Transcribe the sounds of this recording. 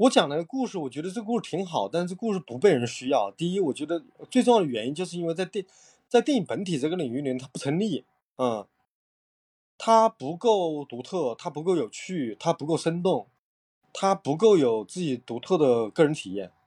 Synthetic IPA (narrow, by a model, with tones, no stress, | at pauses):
wɔ˧˥t͡ɕjɑ˨˩ŋlɡə˧ku˥˧ʂɻ̩˥˩wɔ˨˩t͡ɕɥɛ˧˥d̪ə˧ʈ͡ʂɤ˥˧ku˥˧ʂɻ̩˥˩t̪ʰi˧˥ŋxɑ˨˩˦ʊt̪a˥˧ʂ̩ɻ̩˥˧ʈ͡ʂɤ˥˩˧ku˥˧ʂɻ̩˥˩pu˧˥pe˥˩ɪɻə˧˥nɕy˥jɑ˥˩ʊt̪i˥˩i˥wɔ˨˩t͡ɕɥɛ˧˥d̪ə˧t͡swe˥˧ʈ͡ʂʊ˥˧ŋjɑ˥˩d̪ə˩ɥɛ˧˥ni˥nt͡ɕjo˥˧ʊʂɻ̩˥˧i˥nwe˥˧ɪt͡sa˥˧ɪt̪i˥˧ | t͡sɪi˥˩i˥˩pə˧˥nt̪ʰi˨˩ʈ͡ʂɤ˥˩ɡə˩li˨˩ŋy˥˩li˨˩˧t̪ʰa˥pu˥˩ɤ˧˥ŋli˥˩ | ə˥˧˩ | t̪ʰa˥pu˧˥ko˥˩ʊt̪u˧˥t̪ʰɤ˥˩t̪ʰa˥pu˧˥ko˥˩ʊjo˨˩ʊt͡ɕʰy˥˩t̪ʰa˥pu˧˥ko˥˩ʊʂə˥nt̪̬ʊ˥˩ŋ | t̪ʰa˥pu˧˥k̬o˥˩ʊjo˨˩ʊt͡sɹ̩˥˩t͡ɕi˨˩t̪u˧˥t̪ʰɤ˥˩d̪ə˩kɤ˥˩ɻə˧˥nt̪ʰi˨˩jɛ̰˥˩n